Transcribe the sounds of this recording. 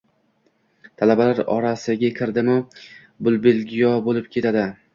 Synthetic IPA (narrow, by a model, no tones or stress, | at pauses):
t̪ʰalabalaɾɒ̰ɾasɪɡʲakʲʰɪɾd̪ɪmɪ | bʊlˠbelɡʲijɒbolɪp̚kʲʰe̞t̪ʰad̪ɪ